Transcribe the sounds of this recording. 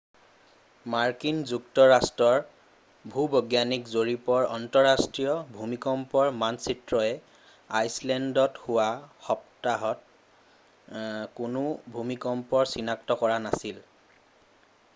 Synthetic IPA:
maɹkinzuktɔɹastɹɔɹ | bʱubɔɡjanikzoɹipɔɹɔntɔɹastɹijɔbʱumikɔmpɔɹmansitɹɔɛ | ajslɛndɔthʊwaxɔptaɦɔt̚ | kʊnʊbʱumikɔmpɔɹsinaktɔkɔɹanasil

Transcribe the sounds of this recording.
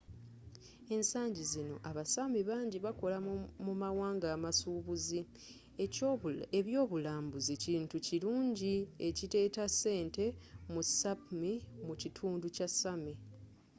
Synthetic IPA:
e̞nsaːɲɟizino̞̰ʔaβasamiβaːɲɟiβako̞lamumawaːŋɡaːmasuːβuzi | eeβjo̞ːβulaːmbuziciːntuciluːɲɟie̞cite̞ːtasːe̞ːnte̞musapmimucitʰuːnducasami

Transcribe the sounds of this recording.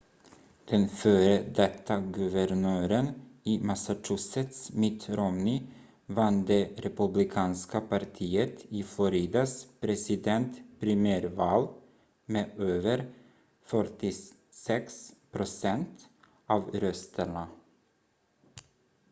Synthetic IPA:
d̪̥ɛnføːɾəd̪ɛt̪ʰːaɡʉvəɾnøːɾəniːmasat͡ʃʉsɛt̪smɪt̪ɾɔmni | vand̪eɾɛpʉblɪkʰɑːnskəpʰaɾt̪ʰiːət̪iːflɔɾeːd̪aspʰɾɛsɪd̪ɛnt̪pʰɾɪmæːɾvɑːl | meːʔøːvəɾ | fœɾʈɪ | sɛkspʰɾʊsɛnt̪ | ʔɑːvɾœst̪ʰəɳə

